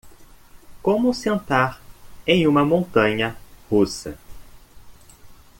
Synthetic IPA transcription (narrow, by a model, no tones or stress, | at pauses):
kõmʊsẽnt̪aɾẽj̃ũmɐmõnt̪ɐ̃ɲɐhusɐ